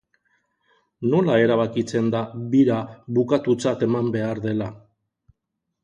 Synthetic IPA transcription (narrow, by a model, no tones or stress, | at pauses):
no̞lae̞ɾaβ̞akit͡se̞nd̪aβiɾaβukat̪ut͡sat̪e̞mambe̞aɾðe̞la